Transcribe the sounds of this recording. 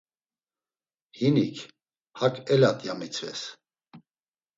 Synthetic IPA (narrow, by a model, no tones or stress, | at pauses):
hinikʰ | hakʰʼɛlat̪ʼjamit͡sʰvɛ̰s